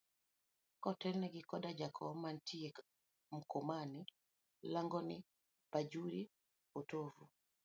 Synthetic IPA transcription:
kɔtɛlnɛɡɪkɔdad͡ʒakʰɔmantʰie | m̩komani | laŋɡɔnɪ | pad͡ʒuɾi | potovu

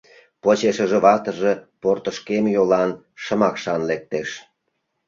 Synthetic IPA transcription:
pot͡ɕeʃəʒĕβɑt̪əʒeport̪əʃkemjolɑn | ʃə̆mɑkʃɑnlek̚t̪eʃ

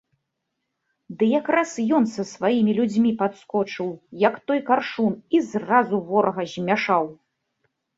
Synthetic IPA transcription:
d̪ɨjakɾasjɔnsɐsvajimʲilʲud͡zʲmʲipat̪skɔt͡ʂɨwjɐkt̪ɔjkarʂunizrazuvɔɾɐɣɐzʲmʲaʂaw

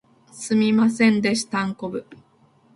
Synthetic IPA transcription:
sɨmʲimasẽ̞nd̪e̞ɕi̥t̪ãŋko̞bɯ̟

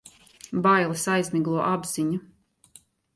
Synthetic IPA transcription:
bajlˠɨsajzmiɡlˠuɔʔabz̥iɲu

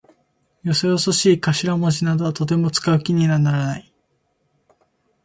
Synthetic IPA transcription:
jo̞sojo̞so̞ɕiːkaɕiɾamo̞ʑinad̪o̞at̪o̞t̪e̞mo̞t͡sɨ̥kaɯ̟kʲiɲ̟inanaɾanai

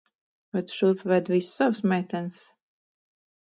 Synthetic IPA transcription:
vɛt̪ʃuːpvɛd̪visːawsmʲɛːt̪ɛns

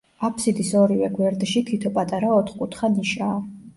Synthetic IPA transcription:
apʰsid̪isɔɾivɛɡwɛɾd̪ʃit̪ʰit̪ʰɔpʼat̪ʼaɾaɔt̪ʰχkʼut̪ʰχaniʃaː

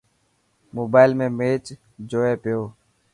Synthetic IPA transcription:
moːbaːɪlmẽːmeːt͡ʃ | d͡ʒoːeːpɪjoː

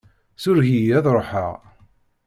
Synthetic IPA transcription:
sʊɾɣijæðɾˤoħə̰ʁ

